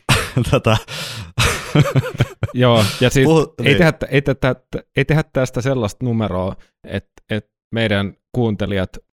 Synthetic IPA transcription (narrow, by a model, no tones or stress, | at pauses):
t̪ot̪ɑ | joːjɑsiːheiehæt̪ːeit̪æt̪ːætːæeit̪ehæt̪t̪ːæst̪æselːɑst̪numeroː | ḛt̪ | et̪ | meidænkuːnt̪eliɑt̪